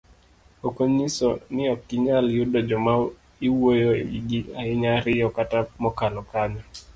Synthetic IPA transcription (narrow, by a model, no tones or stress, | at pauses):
okoɲisɔniɔkiɲaljudɔd͡ʒɔma | iwojɔɛ̰iɡiaiɲaɾijɔkatamɔkalɔkaɲa